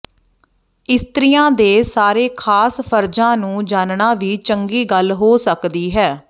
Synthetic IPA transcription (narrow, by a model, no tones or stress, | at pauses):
ɪst̪ɾɪjãːd̪eːsaːɾeːkʰaːspʰəɾd͡ʒãːnũːd͡ʒaːnɳaːʋiːt͡ʃəŋɡiːɡəlɦoːsəkd̪iːɦɛː